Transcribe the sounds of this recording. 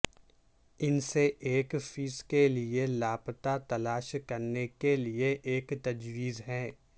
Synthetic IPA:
ɪnseʔeːkfiːskelielaːpt̪at̪ɐlaːʃkɐɾnekelieʔeːkt̪ɐd͡ʒwiːzɦɛː

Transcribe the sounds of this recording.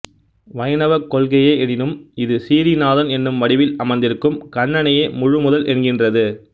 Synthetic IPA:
ʋɐjɐnɐʋɐkːɔlɣɐjeːɛɽɪnɯmɪðɯsiːɾinaːðɐnɛnːɯmʋɐɽɪʋɪlɐmɐɪnd̪ɪɾɯkːɯmkɐɳːɐnɐjeːmʊɻʊmʊðɐlʔɛnɡɪndrɐðɯ

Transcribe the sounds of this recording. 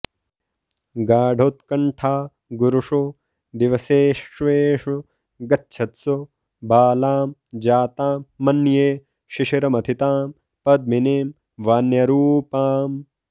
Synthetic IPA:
ɡaːɖʱoːt̪kɐɳʈʰaː | ɡuɾuʂu | d̪iʋɐseːʃʋeːʂu | ɡɐtːʃʰɐt̪so | baːlaːmd͡ʒaːt̪aːmːɐnjeː | ʃiʃiɾɐmɐt̪ʰit̪aːm | pɐd̪̚mineːm | ʋaːnjɐɾuːpaːm

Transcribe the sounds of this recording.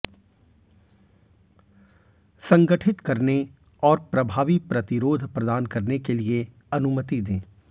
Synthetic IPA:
sɐ̃ŋɡəʈʰɪt̪kɐɾne | ɔːɾpɾɐbʱaːʋipɾɐt̪ɪɾoːd̪ʱpɾɐd̪aːnkɐɾnekelie | ɐnʊmət̪id̪ẽː

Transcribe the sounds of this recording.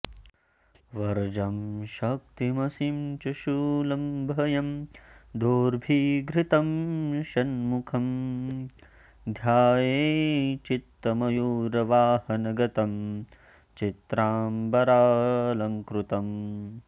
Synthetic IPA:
ʋɐɾd͡ʒɐmʃɐk̚t̪imɐsimt͡ʃɐʃuːlɐmbʱɐjɐmd̪oːɾbʱiːɡɾit̪ɐmʃɐnmukʰɐm | d̪ʱjaːjeːt͡ʃit̪ːɐmɐjuːɾɐʋaːhɐnɐɡɐt̪ɐm | t͡ʃit̪ɾaːmbɐɾaːlɐŋkɾut̪ɐm

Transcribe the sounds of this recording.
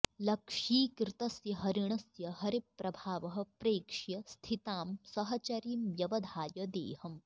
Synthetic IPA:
lɐkʂiːkɾɪt̪ɐsjɐɦɐɾiɳ̃ɐsjɐɦɐɾipɾɐbʱaːʋɐɦɐ̆pɾeːkʂjɐst̪ʰit̪aːmsɐɦɐt͡ʃɐɾiːmʋjɐʋɐd̪ʱaːjɐd̪ḛːhɐm

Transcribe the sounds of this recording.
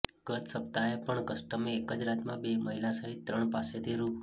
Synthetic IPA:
ɡ̥ət̪səp̚t̪aepəɳkəsʈəmeːkəd͡ʒɾat̪mãbeməɦilasəɦit̪ːɾəɳpaset̪ʰiɾu

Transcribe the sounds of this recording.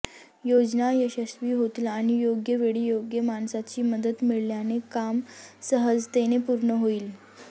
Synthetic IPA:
jod͡znajəɕəsʋiːɦot̪laːɽ̃ijoɡjəʋeɽiːjoɡjəmansat͡ɕiːməd̪ət̪miɭljanekamsəɦəd͡zt̪enepuɾɳəɦoiːl

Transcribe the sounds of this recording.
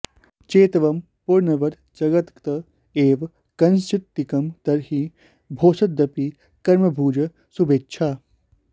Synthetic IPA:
t͡ʃeːt̪ʋɐm | puɾnɐʋɐd̪ | d͡ʒɐɡɐt̪kt̪ɐ | eːʋ | kɐnst͡ʃɪtt̪ːikɐmt̪ɐɾɦi | bʱoːsɐt̪̚d̪ɐpi | kɐɾmɐbʱuːd͡ʒɐ | subʱeːtːʃʰaː

